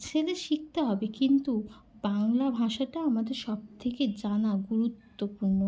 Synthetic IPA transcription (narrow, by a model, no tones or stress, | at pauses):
t͡ɕʰeleʃik̚t̪eɦɔbekint̪u | baŋlabʱaʃaʈaamad̪eɾʃɔb̚t̪ʰeked͡ʑanaɡuɾut̪ːopuɾno